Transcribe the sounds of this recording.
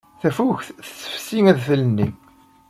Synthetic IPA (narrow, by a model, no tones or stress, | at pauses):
θæfuçθə̥sːə̥fsiŋæðθələnːi